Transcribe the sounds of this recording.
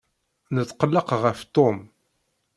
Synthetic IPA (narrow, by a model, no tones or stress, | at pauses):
nət͡sːqəlːəqʁəft̪ˤom